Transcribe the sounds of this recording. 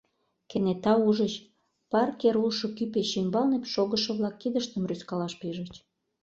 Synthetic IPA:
kenet̪ɑuʒət͡ɕ | pɑrkeɾulʃŏkypeɕimbɑlnepʃoɣəʃə̆βlɑkːid̪əʃt̪əmryskɑlɑʃpiʒə̆t͡ɕ

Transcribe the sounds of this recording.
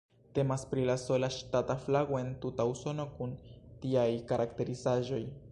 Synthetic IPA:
te̞maspɾilaso̞laʃtataflaɡo̞e̞ntutauso̞no̞kuntiajkaɾʔakte̞ɾizaʒo̞j

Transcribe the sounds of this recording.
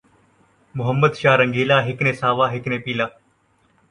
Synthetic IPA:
mʊɦəmːəd̪ʃaːɾəŋɡeːlaːɦɪknẽːsaːʋaːɦɪknẽːpiːlaː

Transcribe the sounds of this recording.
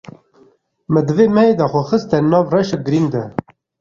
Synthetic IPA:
məd̪əveːmɛɦeːd̪ɑxʷɔxəst̪ɛnɑːvrɛʃɛɡɨɾind̪ɛ

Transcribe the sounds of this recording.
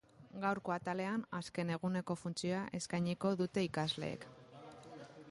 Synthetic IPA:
ɡawɾko̞at̪ale̞anaske̞ne̞ɣ̞une̞ko̞funt͡sio̞aʔe̞skajɲiko̞ðut̪e̞ikazle̞̰ːk

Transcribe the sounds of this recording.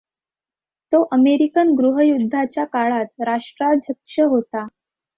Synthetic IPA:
t̪oʔəmeɾikənɡɾuɦəjud̪ʱːat͡ɕjakaɭat̪ɾaʂʈɾad͡zʱəkʂəɦot̪a

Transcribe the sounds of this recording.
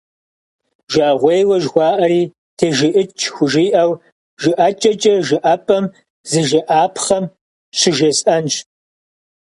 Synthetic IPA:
ʒɐʔɐʁʷejwɐʒxʷɑːʔɐɾiː | tʰeːʒɪʔɪt͡ʃʰxʷʊʒiːʔɐw | ʒɪʔɐt͡ʃʼɐt͡ʃʼɐʒɪʔɐpʼɐm | zɨʒɪʔaːpʰχɐm | ɕʷʰɪʒɐsɐnt͡ʃ

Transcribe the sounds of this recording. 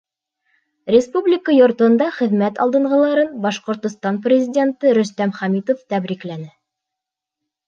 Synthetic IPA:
rʲɪspublʲɪkəjŏɾt̪ŏnd̪ɑχɘ̆ðmæt̪ɑ̰lˠd̪ɤ̆ɴʁɤ̆lˠɑɾɤnbɑʃqŏɾt̪ŏst̪ɑnprʲɪzʲidʲe̞nt̪ɤɾɵ̆st̪æmχæmit̪oft̪æbɾiklænɘ

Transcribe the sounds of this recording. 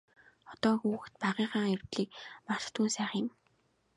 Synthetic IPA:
χɔt̪ɔːxuːxt̪̚paʁiːɴχaːŋer̥t̪ɮiːk̚mar̥t̪ːʰuːnsæːχĭm

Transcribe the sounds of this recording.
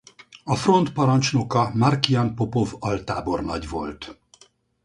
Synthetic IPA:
ɒfro̞nt̪pɒɾɒnt͡ʃnokɒmɒrkijɒnpo̞povɒlt̪aːbo̞rnɒ̰ɟʋo̞̰lt̪

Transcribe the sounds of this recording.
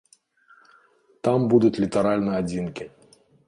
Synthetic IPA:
t̪ambud̪ut͡sʲlʲit̪aɾalʲnɨad͡zʲinkʲi

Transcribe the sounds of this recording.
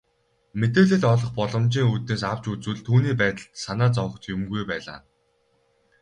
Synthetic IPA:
met̪eːɮɘ̆ɮɔɮɞ̆χpɔɮɞ̆mt͡ɕiːŋut̪neːs̬aw̥t͡ɕut͡sŭːɮt̪ʰuːniːpæːt̪ə̆ɮt̪sanaːt͡sɔwə̆χt̪ʰjʊmɡujpæːɮa̰ː

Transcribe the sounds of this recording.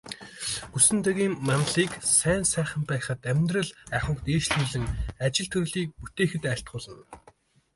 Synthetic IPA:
ɡusɘ̆nt̪æɣʲiːmːanɮiːksæːnsæːχə̆mpæːχə̆t̪æmʲt̪rə̆ɮæχə̆ɴkt̪eːʃɮuːɮɘ̆ŋat͡ɕɪ̆ɮt̪ʰɵɾ̆ɮiːk̚put̪eːxɘ̆t̪æɬt̪̚ɢʊːɮə̆n

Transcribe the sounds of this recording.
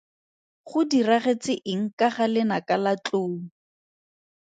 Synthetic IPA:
χʊdiraχet͡sɪʔɪŋ̩kaχalɪnakalat͡ɬoː

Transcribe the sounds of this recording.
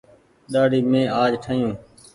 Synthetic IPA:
ɗaːɽiːmẽːaːd͡ʒʈʰaːjũː

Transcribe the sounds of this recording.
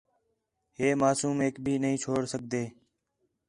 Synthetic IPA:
ɦeːmaːsuːmeːkbʱiːnəɦĩːt͡ʃʰoːɽsək̚d̪eː

